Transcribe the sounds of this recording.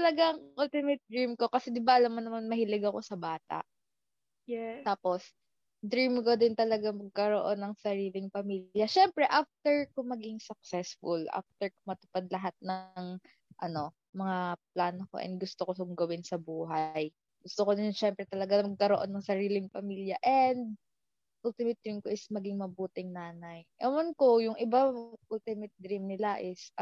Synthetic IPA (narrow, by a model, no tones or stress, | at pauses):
t̪ɐlɐɡaɐŋʔʊlt̪ɪmɛt̪̚d̪ɹimko̞kɐsɛd̪ɪbaʔɐlɐmːɐnːɐmanmɐhɪlɪɡɐko̞sɐbaːt̪a̰ʔ | jɛt̪aːpo̞s | d̪ɾimkod̪ɪnt̪ɐlɐɡamɐɡ̚kɐɾoʔo̞nːɐŋsɐɾiːlɪŋpɐmiːljɐʃɛmpɾɛʔaft̪ɛɹkʊŋmɐɡɪŋsʊk̚sɛsfʊlʔa̰ft̪ɛɹkʊŋmɐt̪ʊ̥pad̪̚lɐɦat̪̚nɐŋ | ʔɐno̞ | mɐŋaplaːnoko̰ʔɛ̰nd̪̚ɡʊst̪okosʊŋɡɐwɪnsɐbuːɦɐj | ɡʊst̪okonɪnʃɛmpɾɛt̪ɐlɐɡamɐɡ̚kɐɾoʔo̞nːɐŋsɐɾiːlɪŋpɐmiːljɐʔɛnd̪̚ | ʔʊlt̪ɪmɪt̪̚d̪ɾimkoʔɪsmɐɡɪŋmɐbuːt̪ɪŋnaːnɐjʔɐnɐnkojʊŋɪbaʔult̪ɪmɪt̪̚d̪ɾimnɪlaʔɪs